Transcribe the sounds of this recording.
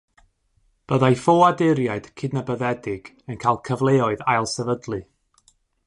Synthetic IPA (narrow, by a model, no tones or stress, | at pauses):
b̥əðajfoadɪɾjaɨd̥kʰɪdnəbəðɛdɪɡ̥ | ənkʰajlˠkʰəvlˠeːɔɨðajlˠsɛvədlˠɨ